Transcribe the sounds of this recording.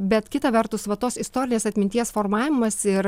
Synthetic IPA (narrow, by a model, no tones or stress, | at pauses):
bʲɛt̪kʲɪt̪ɐʋʲɛrt̪ʊsʋɐt̪oːsɪst̪oːɾʲɪnʲeːsɐt̪ʲmʲɪnt̪ʲiɛsfoːɾmɑːʋʲɪmɐsɪr